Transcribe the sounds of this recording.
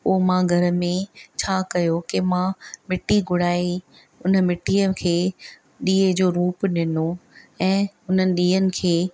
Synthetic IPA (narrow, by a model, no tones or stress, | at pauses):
ʊmãːɡʱɐɾə̆mẽt͡ɕʰaːkɐjokimãmɪʈiɡʱʊɽ̤aːi | ʊnə̆mɪʈiəkʰeː | ɗiːəd͡ʑoːɾuːpɗɪnoɛ̃ː | ʊn̤ənɪ̆ɗiːənɪ̆kʰeː